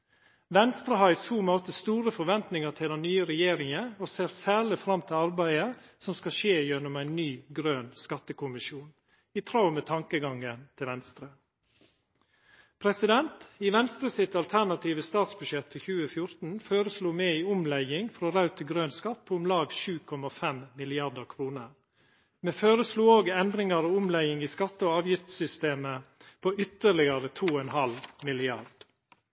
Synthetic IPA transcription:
ʋɛnst̪ɾəɦɑɪshuːmoːt̪əst̪uːɾəfɔʋɛnt̪nɪŋət̪ʰɪld̪ɛnyːəɾɛjeːɾɪŋəoːseːɾsæːɭɪfɾɑmt̪ʰɪlɑɾbæɪəsɔmskɑʃeːjɛnːʊmæɪnnyːɡɾøːnskɑt̪ːəkʰʊmɪʃjuːn | iːt̪ʰɾɑʊmeːt̪ʰɑŋkəɡɑŋənt̪ʰɪlʋɛnst̪ɾə | pʰɾɛsɪd̪ɛnt̪iːʋɛnst̪ɾəsɪt̪ɑlt̪ʰæɾnɑt̪ʰiːʋəst̪ɑːt̪sbʉʃɛt̪fɔçʉːəfjʊɾt̪n̩føːɾəsluːmeːiːʊmlæɪɪŋfɾoɾɑʉt̪ʰəɡɾøːnskɑt̪̚ːpʰoːʊmlɑːɡʃʉːkʰɔmɑfɛmmɪlɪɑɖəkʰɾuːnəɾ | meːføːɾəsluːoːɡɛnd̪ɾɪŋɑɾoːʊmlæɪɪŋiːskɑt̪ːəoːɑːʋjɪft̪sʏst̪eːməpʰoːʔʏt̪əɭɪɡɑɾət̪ʰuːɔɛnhɑlmɪlɪɑɾd̥

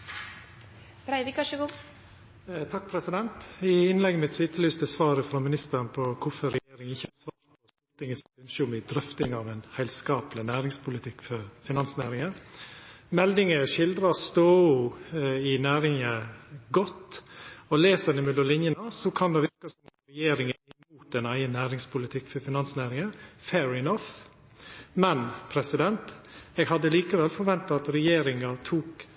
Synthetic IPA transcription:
bɾæɪʋɪkɑʂəɡuː | t̪ʰɑk̚ːpʰɾɛsɪd̪ɛnt̪ɪɪnlɛɡːəmɪt̪sɪt̪ʰəlyːst̪əsʋɑːɾəfɾɔmɪnɪst̪əɾnpʰɔkʰʊfɔɾɛjeːɾɪŋɪçːəhɑsʋɑːɾ | ɔ | ɔɾt̪ɪŋəsʉnʃəʊmɪd̪ɾœft̪ɪŋɑʋɛnhæɪlskɑːplɪnæːɾɪŋspʰʊlɪt̪ʰɪkːfɔɾfɪnɑnsnæ̰ːɾɪŋə | mɛld̪ɪŋəʃɪld̪ɾɑst̪oːʊɪnæːɾɪŋəɡɔt̪ːɔleːsənɛmʉlɔlɪnjənəsɔkʰɑnd̪ɛʋɪɾkəsɔmɾɛjeːɾɪŋəɪmuːt̪ɛnæɪənːæːɾɪŋspʊlɪt̪ʰɪkːfɔɾfɪnɑnsnæːɾɪŋəfɛːɹɪnɔf | mɛnpʰɾɛsɪd̪ɛnt̪ɛːɡhɑd̪ːəliːkəʋɛlfɔɾʋɛnt̪ɑɑt̪ɾɛjeːɾɪŋəɾt̪ʰuːk

